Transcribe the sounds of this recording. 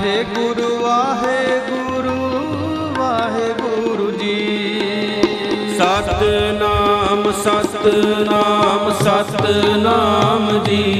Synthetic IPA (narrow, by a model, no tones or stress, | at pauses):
ɦeːɡʊɾuʋaːɦeɡu | ɾu | ʋaːɦeɡʊɾud͡ʒiː | sat̪naːmsɐt̪naːmsɐt̪naːmd͡ʒiː